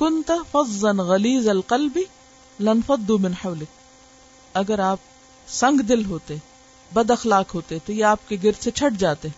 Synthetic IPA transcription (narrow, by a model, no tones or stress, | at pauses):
kʊnt̪fɐdˤːɐnɣɐliːzɐlqɐlbi | lɪnfɐd̪ːumɪnħɐːlɪk̚ | ɐɡəɾaːp̚ | sɐ̃ŋɡd̪ɪlɦoːt̪e | bɐd̪ɐxlaːkɦoːt̪et̪ojeaːp̚keɡɪɾd̪set͡ʃʰɐʈd͡ʒaːt̪ẽ